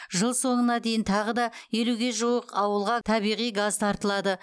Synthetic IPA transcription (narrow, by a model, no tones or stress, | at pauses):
ʒəlˠso̞ɴənɑd̪e̞jɪnt̪ʰɑʁəd̪ɑje̞luɡʲe̞ʒuwəqɑwəlˠʁɑt̪ʰɑβijʁijɡazt̪ʰɑɾt̪əlˠɑd̪ə